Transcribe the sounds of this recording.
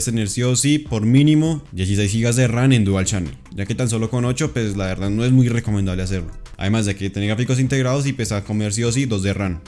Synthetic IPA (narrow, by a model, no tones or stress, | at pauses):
st̪eneɾsjosipoɾmĩnimo̞d̪je̞s̬is̬ejs̬xiɣazd̪erane̞nd̪ualt͡ʃanḛ | d͡ʒake̞t̪anso̞lo̞ko̞no̞t͡ʃo̞pwe̞slaβe̞ɾðaðno̞e̞zmujreko̞mẽnd̪aβleas̬e̞ɾloa̰ðe̞mazd̪eket̪eneɾɡɾafiko̞s̬int̪e̞ɣɾaðos̬ipesako̞meɾs̬jos̬id̪o̞zd̪eran